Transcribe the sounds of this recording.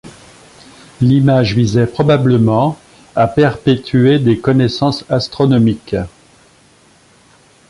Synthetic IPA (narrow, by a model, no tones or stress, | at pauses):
limaʒvizɛpχɔbabləmɑ̃ | apɛʁpet̪yed̪ekɔnɛsɑ̃sast̪χɔnɔmik